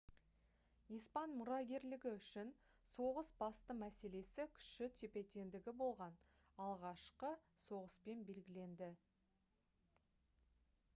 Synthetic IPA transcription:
ijspɑnmʊɾɑɡʲe̞ɾlɪɡʲɪʏʃɪn | so̞ʁəsbɑst̪əmæse̞le̞sɪkʲʰʏ̥ʃɪt̪ʰepe̞t̪e̞nd̪ɪɡʲɪbo̞lˠʁɑn | ɑlˠʁɑʃqəso̞ʁəspe̞nbe̞lɡʲɪle̞nd̪ɪ

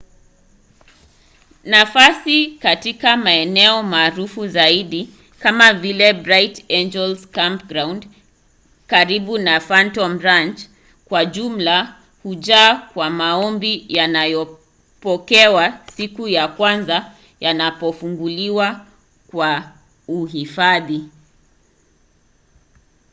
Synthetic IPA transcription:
nafasikatikamaɛnɛɔmaːɾufuzaiɗi | kamavilɛbɾajtɛnd͡ʒɛlskampɡɾawnd | kaɾiɓunafantɔmɾant͡ʃ | kwaʄum̩la | huʄaːkwamaɔmbijanajɔ | pɔkɛwasikujakwanza | janapɔfuŋɡuliwa | kwa | uɦifaði

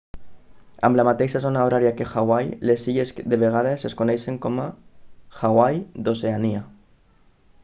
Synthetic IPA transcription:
a̰mblamat̪ejʃasonaoɾaɾjakexawajlesːiʎesðeβeɣ̞að̞eseskonejʃeŋkomaxaɣwajðoseania

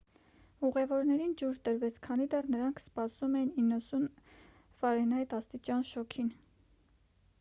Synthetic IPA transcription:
uʁɛvɔɾnɛɾind͡ʒuɾt̪əɾvɛt͡sʰkʰɑnid̪ɛrnəɾɑŋkʰspɑsumɛjininːəsun | fɑɾɛnɑjt̪ɑst̪it͡ʃɑnʃɔkʰin

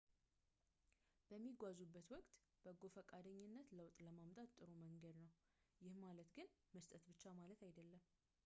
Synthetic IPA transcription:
b̥əmːiɡʷazubːət̪wɔkʼt̪ | b̥əɡofəkʼːad̪əɲːɪnːət̪ləwt̪ʼləmamt̪ʼat̪ʼːɨɾoməŋɡəd̪nəw | jɪhmalət̪ɡɨnməst̪ʼət̪bɨt͡ʃːamalət̪ajd̪əlːəm

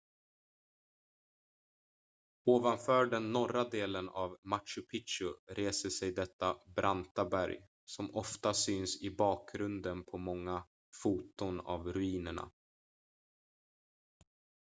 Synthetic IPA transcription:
oːvanfœːɖɛnːɔɾad̪eːlənavmaʈʂɵpʰɪtʂɵɾeːsəsɛjd̪ɛt̪ːabɾʔant̪abæɾj | sɔmɔft̪asyːnsɪbɑːk̚ɡɾɵnd̪ənpʰɔmɔŋːa | fuːt̪ʊna̰vɾɵiːnəɳa̰

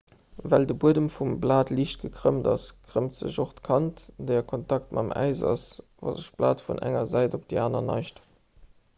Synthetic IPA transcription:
vældəbuədəmfumblaːtliːʃt̚ɡ̥əkʁəmdɑskʰʁ̥əmtz̥ə̰ʑoχtəkʰɑntd̥eːɐkʰontɑktmʔɑmæ̰ɪzɑ̰s | vɑ̰zəʃb̥la̰ːtfṵnʔæ̰ŋɐzæɪdop̚d̥ḛaːnɐnɑ̰ɪʃt

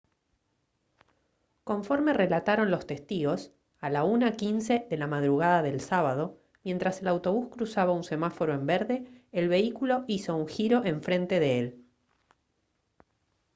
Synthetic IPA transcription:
ko̞ɱfo̞ɾme̞re̞lat̪aɾo̞nlo̞st̪e̞st̪iɣo̞s | alaunakinse̞ðe̞lamað̞ɾuɣaðaðe̞lsaβaðo̞ | mje̞nt̪ɾase̞lawt̪o̞β̞uskɾusaβaunse̞mafo̞ɾoe̞mbeɾðe̞ːlβe̞ikulo̞iso̞uŋxiɾo̞ʔe̞ɱfɾe̞nt̪e̞ðeel

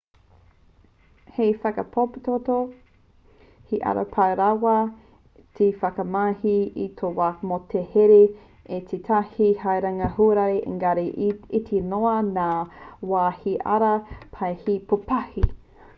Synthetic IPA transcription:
hejfɐkɐpʰopt̪oto | hiʔa̰ɾɐ̰pʰawɾawɐ | tʰefɐkɐmahiitʰowamotʰeheɾe | et͡sitʰahihajɾaŋɐhuɾaɾiʔḛŋɡaɾiitʰinoɐnaːwaːhiʔɐ̰ɾɐpʰajhipʰopahi

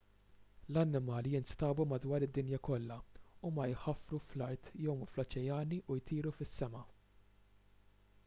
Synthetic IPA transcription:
lɐnːɪmɐːljɪnst̪ɐːbumɐd̪wɐːɾɪd̪ːɪnjɐkɔlːɐumɐjħɐfɾuflɐɾt̪jɔwmflɔt͡ʃɛjɐːniʔʊjt̪iːɾufɪsːɛmɐ

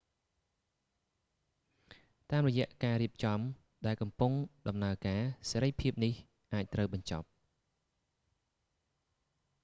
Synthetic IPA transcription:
t̪aːmrɔjɛ̆əʔkaːɾiəp̚t͡ɕɑm | ɗaɛlkɑmpʊŋɗɑmnaəkaːseːɾəjpʰiəp̚nih | ʔaːc̚t̪rəwɓɑɲt͡ɕɑ̰p̚

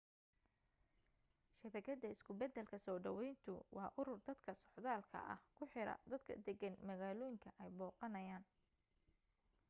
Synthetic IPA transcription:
ʃɐβɛɡɐd̪ɐɪskʰʊbɛd̪ɛlkʰɐsɔːɖɐ̰wɛjnt̪ʰʊ̰wɑːʔʊɾʊrd̪ɐd̪kʰɐsɔħðaːlkʰɐ̰ʔɐ̰hkʰʊħɪɾɐ̰d̪ɐd̪kʰɐ̰d̪ɛɡɐnmɐɣaːlɔːjɪŋkʰɐʔɛjbɔːqɑnɐjaːn

